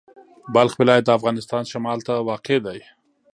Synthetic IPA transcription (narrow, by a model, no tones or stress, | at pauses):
balxwɪlɑjat̪̚d̪əafɣɑnɪst̪ɑnʃamɑlt̪awɑqed̪aj